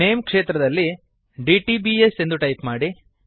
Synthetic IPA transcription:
eːmkʂeːt̪ɾɐd̪ɐlːi | ɖiʈibiese̞nd̪uʈɐjpmaːɽi

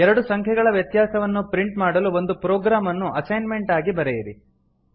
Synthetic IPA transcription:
ɛɾɐɽusɐŋkʰɛɡɐɭɐʋjɐt̪jaːsɐʋɐnːupɾiɳʈmaːɽɐluo̞nd̪upɾoːɡɾaːmɐnːuʔɐsɐjnme̞ɳʈaːɡibɐɾɛjiɾi

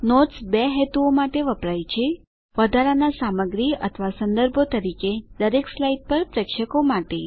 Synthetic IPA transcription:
noʈsbeɦet̪uomaʈeʋəpɾajt͡ʃʰe | ʋəd̪ʱaɾanasaməɡɾiə̰t̪ʰʋasə̃nd̪əɾbʱot̪əɾiked̪əɾekslaiʈ̚pəɾpɾəkʃəkomaʈe

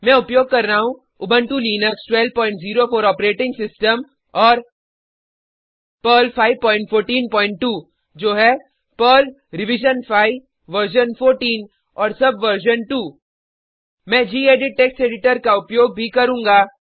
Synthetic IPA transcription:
mɛ̃ːʊpjoːɡ̚kɐɾnaːɦũ | ʊbʱə̃ɳʈuliːnəksʈwɛːlpɔ̃ːɪ̃ɳʈziːɾofʰoːɾɔːpɾeːʈɪ̃ŋɡsɪsʈəm | ɔːɾ | pəːlpʰaːɪʋpɔ̃ːɪ̃ɳʈfʰoːɾʈiːnpɔ̃ːɪ̃ɳʈʈːuː | d͡ʒoːɦɛ | pəːl | ɾɪʋɪd͡ʒənfʰaːi | ʋəɾʃənfʰoːɾʈiːn | ɔːɾsɐbʋəɾʃ̬ənʈuː | mɛ̃ːd͡ʒiːeːɖɪʈ̚ʈeːksʈeːɖɪʈəɾkaʊpjoːɡ̚bʱikɐɾũːŋɡaː

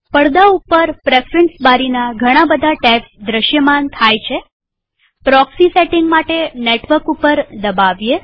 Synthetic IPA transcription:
pəɽd̪aupəɾpɾefɾensbaɾinaɡʱəɽ̃abəd̪ʱaʈɛpsd̪ɾəʃjəmant̪ʰajt͡ʃʰe | pɾɔksiseʈɪŋɡmaʈeneʈʋəɾkupəɾd̪əbaʋje

